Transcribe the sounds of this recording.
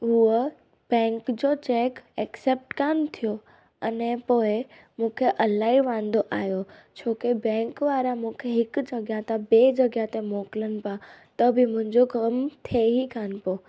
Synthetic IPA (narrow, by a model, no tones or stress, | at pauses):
ɦuə | b̥ɛ̃ːŋkd͡ʑot͡ɕeːkɛkseːp̚ʈkaːnt̪ʰijo | ɐnɛ̃poːɪ | mũːkʰeʔɐlaːiʋãːnd̪oʔa̰ːɦjot͡ɕʰoːkebɛ̃ːŋkʋaːɾamũːkʰeɦɪkd͡ʑɐɡjat̪abeːd͡ʑɐɡjat̪emoːkɪlənɪ̆pat̪ɐbɪmʊ̃ɦɪ̃ɲd͡ʑokɐmt̪ʰeɦikaːnɪ̆poː